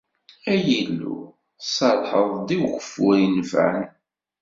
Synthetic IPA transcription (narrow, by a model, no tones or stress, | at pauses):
æjilːṵ | sˤɑlħəðˤd̪iwxəfujənvæ̰n